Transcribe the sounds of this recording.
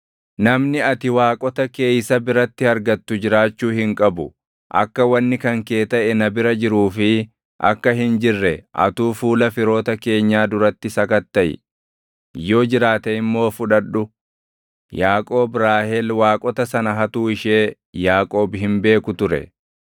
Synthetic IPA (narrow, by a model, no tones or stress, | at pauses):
nɐmnɪɐt̪ɪwaːkʼɔt̪ɐke̞ːjsɐbɪɾɐt̪ːɪhɐɾɡɐt̪ːʊd͡ʒɪɾaːt͡ʃːuːhɪŋkʼɐbʊ | ʔɐ̰kːɐwɐnːɪkɐŋke̞ːt̪ɐʔɛnɐbɪɾɐd͡ʒɪɾuːfɪ | ʔɐ̰kːɐɦɪnd͡ʒɪrːɛʔɐ̰t̪uːfuːlɐfɪɾo̞ːt̪ɐke̞ːɲːaːd̪ʊɾɐt̪ːɪsɐkɐt̪ːɐʔɪ̰ | jo̞ːd͡ʒɪɾaːt̪ɛɪmːo̞ːfʊᶑɐᶑːʊ | jaːkʼoːbɾaːhɛlwaːkʼɔt̪ɐsɐnɐɦɐt̪uːɪʃe̞ː | jaːkʼo̞ːbɦɪmbe̞ːkʊt̪ʊɾɛ̰